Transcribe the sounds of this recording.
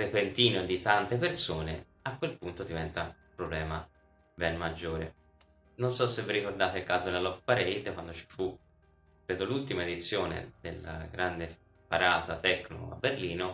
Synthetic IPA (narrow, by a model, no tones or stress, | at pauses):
ɾepent̪iːnod̪it̪ant̪epersoːnḛ | akːwelpunt̪od̪ivɛnt̪aupɾoblɛːma | bɛnmad͡ʒːoːɾe | nonsɔsːevːirːikord̪aːt̪eilkaːzod̪elalɔkːpaɾejd̪kwand̪ot͡ʃi̥fu | kːɾeːd̪olult̪imaed̪it̪sːjoːnḛd̪̥ḛlːa̰ɡɾand̪e | paɾaːt̪at̪ɛkːno̰a̰bːerliːno